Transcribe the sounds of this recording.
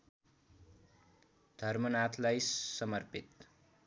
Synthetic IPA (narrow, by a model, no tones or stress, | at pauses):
d̪ʱʌrmʌnat̪ʰlajsʌmʌrpit̪